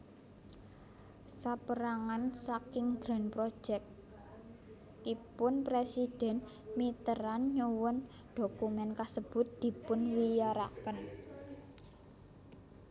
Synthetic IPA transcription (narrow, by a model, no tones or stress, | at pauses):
sapəɾaŋansakɪŋɡ̥ɾa̤npɾo̥d͡ʒʒ̥ɛk | kipʊnpɾesid̥ɛ̤nmit̪əɾanɲuwʊn | ɖ̥okumɛnkasəb̥ʊ̤t̪̚d̪̥i̤pʊnwijaɾa̰kən